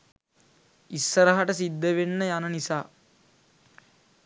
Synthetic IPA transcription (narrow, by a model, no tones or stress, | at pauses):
isːəɾəɦaʈəs̬id̪ːəʋenːəjanənisaː